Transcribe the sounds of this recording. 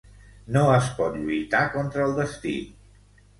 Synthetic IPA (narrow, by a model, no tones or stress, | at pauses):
noəspɔt̪ʎujt̪akɔnt̪ɾəːlˠd̪əst̪ḭ